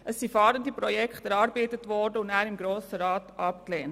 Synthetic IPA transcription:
ʔəsːifɑːɾəndipɾɔjɛkχtæɾɑɾbeːtətʋɔɾdəʊndæːɾɪmɡɾoːsəɾɑːtʔɑp̚kleːnt

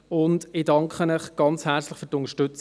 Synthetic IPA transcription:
ʊndɪdɑŋkχənəχɡ̥ɑnt͡shæːɾt͡slɪχfyːɾtʊnəʃtʏt͡s

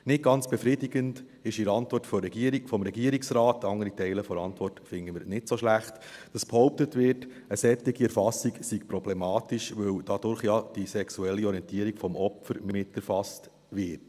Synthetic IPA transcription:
nɪt̚ɡ̥ɑnt͡sb̥ɛfɾɪdiɡənt | ɪʃɪɾɑntʋɔrtfɔɾɛɡ̥iəɾiɡfɔmɾɛɡiəɾiksɾɑːtːɑŋəɾitɛɪləfɔɾɑntʋɔrtfɪŋəmɪɾnɪtsoʃlæχt | d̥ɑsb̥hɔʊp̚tətʋɪɾt | əsɛt̪ːiɡiɛɾfɑsiksikpɾɔb̥lɛmɑːtiʃʋɵwd̥ɑd̥ʊɾχjɑd̥isɛksuɛlːiɔɾiɛntiːəɾiɡfɔmɔpfəɾmɪmɪtːɛɾfɑst | ʋɪt

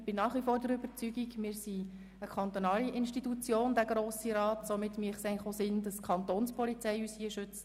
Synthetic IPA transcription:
b̥ɪnɑːχʋifoːɾdəɾʏbət͡syɡiɡmɪːɾsi | əkʰɑnt̪ɔnɑːliʔɪnʃtitut͡sjoːndæɡɾoːsiɾɑːtsɔmɪtːmiəχsɛɪlɪχosɪnd̥ɑskʰɑnt̪oːnspɔlit͡sɛɪyːshiəʃʏt͡s

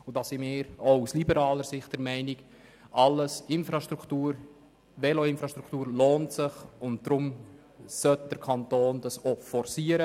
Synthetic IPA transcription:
ʊdɑːsɪmɪːɾouslibəɾɑːləɾsɪχt̚d̥əɾmɛɪnɪɡ | ʔɑlːəsɪnfɾɑʃtɾukʰtuːɾ | vɛloɪnfɾɑʃtɾukʰtuːɾloːntsɪχʊntd̥ɾʊm | sœt̚d̥əɾkʰɑntoːnd̥ɑsofɔrsiəɾə

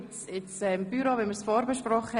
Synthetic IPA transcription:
t͡sɪt͡sɛmb̥yɾovɛnməɾsfɔːɾbəʃprɔχə

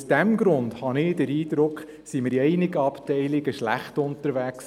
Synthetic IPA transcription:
sd̥ɛmɡɾʊnd̪hɑnɪd̥əɾiːd̪ɾʊkχ | simɪɾiɛɪnɪɡəɑptɛɪlɪɡəʃlæ̰χtʊntəɾʋæks

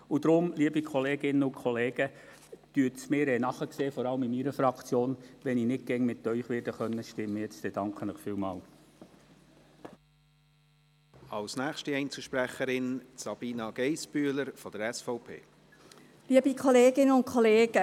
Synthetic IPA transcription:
ud̥̪ɾʊmliəbikʰɔleːɡ̥ɪnəʊkʰχɔleːɡ̥ə | tyːətsmɪːɾɛnɑχəkseːfɔɾɑləmɪmiɾəfɾɑkt͡sjoːnʋɛninɪt̚ɡ̥ɛŋmɪtːœʏχʋɪːɾdəχœnːəʃtɪmːəjɛt͡st̪ɛd̥ɑŋkχənɪχfiːlmɑ̰ːl | ɑlsnæːχʃtiɛɪnt͡suʃpɾæχəɾɪnsɑb̥iːnɑɡ̥ɛɪspyələɾfɔd̥̪əɾɛsfɔʊpʰḛː | liːəbikʰoleːɡɪnəʊnkʰχɔleːɡ̥ə

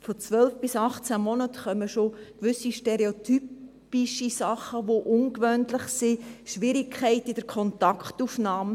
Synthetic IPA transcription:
fɔt͡sʋœlfb̥ɪsɑχt͡sæmɔnətχœməʃokʋʏsiʃtɛɾeotyp | iʃisɑχəʋoʔʊnkʋœntlɪχsiʃʋɪɾikʰχɛɪtɪd̥əɾkʰɔntɑkχtufnɑːm

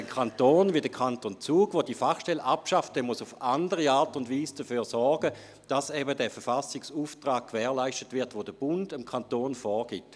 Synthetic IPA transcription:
kʰantoːnvidəkʰantont͡suːɡ̥ʋodifaχʃtɛlʔapʃaftdɛːmuəsʊfandəʁiaːtʊndviːsd̥əfyːʁsɔɾɡə | d̥asɛbədɛːfɛɐfasɪksuːftʁaːk̚kːʋɛːɐlaɪstətʋɪɐtʋodəb̥ʊndəmkʰantoːnfɔːʁɡ̥ɪt

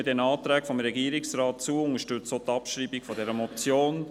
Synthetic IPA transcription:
dɛnɑːt̪ɾæːkfɔmɾɛɡiːəɾɪksɾɑːtt͡suːʊŋəʃtʉt͡sot̪ɑpʃɾiːbikfɔdɛɾəmɔt͡sjoːn

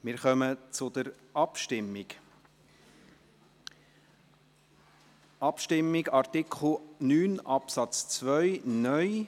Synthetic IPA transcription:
mɪɾχœmət͡sʊd̥̪əɾ | ʔɑpʃtɪmːɪɡ | ʔɑpʃtɪmːɪɡɑɾt̪ɪkχl̩nyːnʔɑpsɑt͡st͡sʋœʏnœj

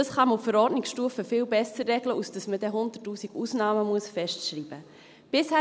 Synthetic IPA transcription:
dəsχɑmuffəɾɔɾdnɪksʃtuːəfəfɪːlbɛsəɾːɛɡləʔusd̥əsməd̥ɛɦʊndətːuːsiɡ̥uːsnɑːməmuəsfɛʃtʃɾiːb̥ə | b̥ɪshæː

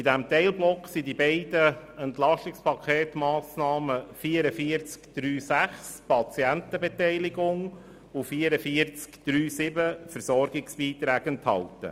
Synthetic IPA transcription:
idæmt̪ɛɪlblɔkχsidibɛɪdəɛnt̪lɑʃtɪkspʰɑkʰeːt̪mɑːsnɑːməfiːəɾəfiəɾt͡skd̥ɾyːsæχspɑt͡siæntəbɛt̪ɛɪlɪɡʊŋ | ʊfiːəɾəfiəɾt͡skd̪̥ɾyːsɪbəfəɾsɔɾɡɪksb̥iːt̪ɾæːɡənt̪hɑ̰lt̪ə̰

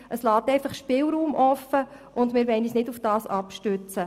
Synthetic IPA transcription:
ʔəslɑːtɛɪfɑχʃpɪlɾuːmʔɔfːə | ʔʊndmɪːɾʋɛɪniːsnɪdufd̥ɑːsɑpʃtøt͡sə

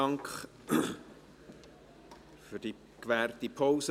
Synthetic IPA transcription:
ɑŋkχ | fyd̥i | kʋæːrtipʰoʊsə

